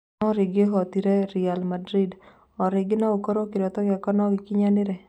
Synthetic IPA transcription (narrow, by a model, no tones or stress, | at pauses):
ɔɾɪɡɪɦɔt̪iɾeɾialmadɾid | ɔɾɪɡɪnɔokoɾokɪɾɔt̪ɔɡakɔnɔɡɪkɪɲanɪɾɛ